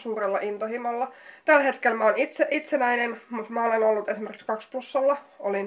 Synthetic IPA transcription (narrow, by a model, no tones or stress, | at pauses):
suːrelːɑʔint̪ohimolːɑt̪ælhet̪kelmæonit̪seʔit̪senæinenmut̪mæolenolːut̪esimerkskɑkspusːɑlːɑolin